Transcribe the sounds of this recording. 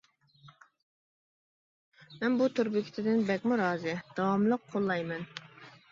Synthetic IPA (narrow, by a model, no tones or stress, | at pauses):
mɛnbut̪ʰuɾbɪkʲʰi̥t̪ʰɪd̪ɪnbɛkʲmuɾɑːzɨd̪̥ɑwɑmlˠəqʰːolˠːɑjmɛn